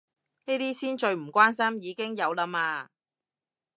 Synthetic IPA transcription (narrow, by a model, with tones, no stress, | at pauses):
niː˥t̪iː˥siː˥nt͡ʃɵ˧ɥm̩˨˩kʷaː˥nsɐ˥mjiː˨˧kɪ˥ŋjɐ˨˧wlaː˧maː˧